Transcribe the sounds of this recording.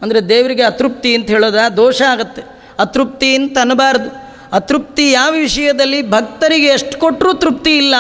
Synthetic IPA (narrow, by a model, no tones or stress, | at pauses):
ɐnd̪ɐɾed̪eːʋɐɾiɡe̞ɐt̪ɾup̚t̪iɐnt̪ɐɦeːɭoːd̪aːd̪oːʂɐaːɡɐt̪ːe̞ | ɐt̪ɾup̚t̪iinːt̪ɐɐnːɐbaːɾɐd̪u | ɐt̪ɾup̚t̪ijaːʋɐʋiʂɐjɐd̪ɐlːibʱɐk̚t̪ɐɾiɡe̞ːʂʈkoʈːɾuːt̪ɾup̚t̪iːlːɐ